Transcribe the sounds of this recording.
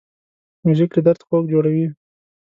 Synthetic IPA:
muʒɪkɾɪd̪aɾt̪xok̚d͡ʒoɽawi

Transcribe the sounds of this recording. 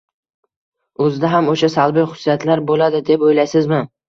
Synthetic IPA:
ɵzɪd̪aɦamoʃasalˠbɪjχʊ̥sijat̪ʰlaɾbolad̪ɪd̪e̞pojlajsɪzmɪ

